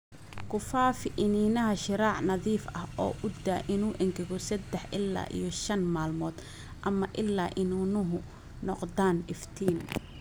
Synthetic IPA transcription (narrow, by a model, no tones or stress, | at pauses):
kʰʊfaːfɪʔɪniːnɐɦɐʃɪɾaːʕnɐðiːfɐɦɔːʔʊd̪aʔɪnuːʔɛŋɡɛɣɔsɐd̪ɛħʔɪlːa̰ːʔḭjɔʃɐnmaːlmɔːd̪̥ | ʔɐmɐʔɪlːaːʔɪnuːnʊɦʊ | nɔqd̪aːnɪft̪ʰiːn